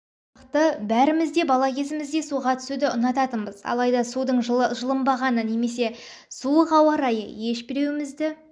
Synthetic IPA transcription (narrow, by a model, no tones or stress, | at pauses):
qt̪əbæɾɪmɪzd̪e̞bɑlˠɑkʲʰe̞zɪmɪzd̪e̞suʁɑt̪ʰʏ̥sud̪ɪʊnɑt̪ɑt̪əbəzɑ̰lˠɑjd̪ɑsud̪əɴʒʒəlˠəmbɑʁɑnəne̞me̞s̬e̞ | suəʁɑwɑɾɑjə̰je̞ʃbɪɾe̞wɪmɪzd̪ɪ